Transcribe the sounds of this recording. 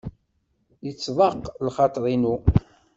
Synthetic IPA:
jət͡sːvɑqːlχɑt̪ˤɾˤinu

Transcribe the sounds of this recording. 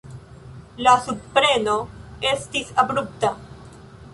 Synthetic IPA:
lasuppɾenoest̪isabɾup̚t̪a

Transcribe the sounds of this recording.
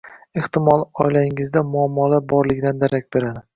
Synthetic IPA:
eht̪ɪmɒlˠɒ̰jlaɪŋɪzd̪amʊɒmːɒlabɒɾlɪɡʲd̪and̪aɾakʲbe̞ɾad̪ɪ

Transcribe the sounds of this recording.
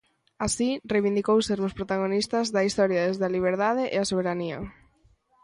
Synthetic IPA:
asirejβind̪ikowseɾmʊspɾot̪aɣ̞onist̪ɐzðɐist̪ɔɾjaðezðaliβ̞eɾðaðeʔeasoβ̞eɾaniɐ̰

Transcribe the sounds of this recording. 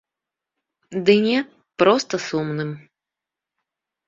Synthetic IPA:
d̪ɨnʲɛt̪ | pɾɔst̪əsumnɨm

